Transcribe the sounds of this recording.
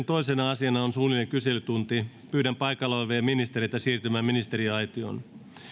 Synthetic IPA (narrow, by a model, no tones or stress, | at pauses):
nt̪ojsenɑɑsiɑnɑonsuːlineŋkyselyt̪unt̪i | pyːdæmpɑjkɑloʋeːminist̪ereit̪ɑsiːrt̪ymæːminist̪eɾiɑjt̪io̰ːn